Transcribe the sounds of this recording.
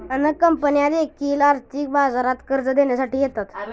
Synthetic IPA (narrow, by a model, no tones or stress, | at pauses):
ənəkəmpənijad̪ekːiːlaɾt̪iːk̚bazaɾat̪kəɾd͡zəd̪enjasaʈiːjet̪at̪